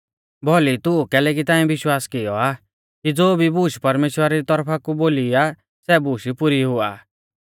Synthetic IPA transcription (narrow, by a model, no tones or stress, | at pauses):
bʱɔlit̪ʊukɛːlɛːk̬it̪ãːɛ̃bɪʃwaːskɪjɔa | kid͡zoːbʱibuːʃpɐɾmeːʃwəɾaɾit̪ɔɾpʰakuboːlia | sɛbuʃipʊɾiɦʊa̰ː